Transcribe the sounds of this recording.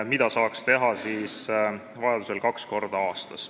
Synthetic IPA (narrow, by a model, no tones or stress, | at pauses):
mid̪̥ɑsɑːkst̪e̞ɦɑsiːs | vɑjɑd̪uselkɑksko̞rd̪̥ɑɑːst̪ɑs